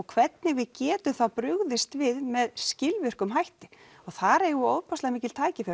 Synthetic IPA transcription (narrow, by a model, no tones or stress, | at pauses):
ɔɣkʰvɛt̪nɪɣvɪðcɛːt̪ʏθawpɾʏɣðɪst̪vɪðmɛðscɪlvʏr̥kʏmɦajht̪ɪ̥ | ɔɣθaɾeːjɣʏoːwðpʰast̪amiːcɪlt̪ʰaːjcɪfɪɾ